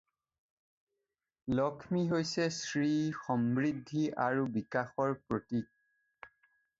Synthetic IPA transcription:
lɔkʰmiɦojsɛsɹixɔmbɹidʱːiaɹubikaxɔɹpɹotik̚

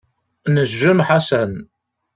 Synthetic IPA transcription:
nəʒːʊmħasæn

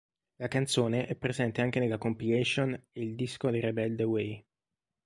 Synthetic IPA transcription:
lakant̪soːneʔɛpːɾezɛnt̪eaŋk̟enelakompilɛsoneild̪iskod̪erebɛld̪ewej

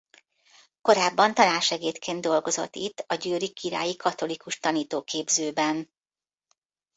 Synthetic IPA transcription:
ko̞ɾaːbːɒnt̪ɒnaːʃɛɡeːt̪kʰeːnd̪d̪o̞lɡo̞zo̞t̪ːit̪ːɒɟøːɾikiɾa̰ːjikʰɒt̪o̞likuʃt̪ɒniːt̪oːkʰeːbzøːbɛn

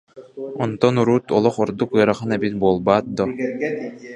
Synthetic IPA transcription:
ɔnt̪ɔnuɾuːt̪ɔlˠɔχɔɾd̪ukɯɐɾaχɯnɛbit̪̚buɔlˠbaːt̪̚d̪ɔ

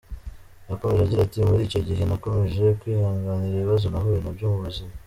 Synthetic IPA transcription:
nako̞me̞ʒeaɟiɾatimuɾiːco̞ɟiɦe̞nako̞me̞ʒe̞kwiːhaːŋɡaniɾiβiβazo̞naɦuɾenabjomuβuzima

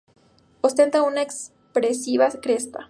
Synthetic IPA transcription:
ost̪e̞nt̪aunaeks | pɾesiβakɾest̪a

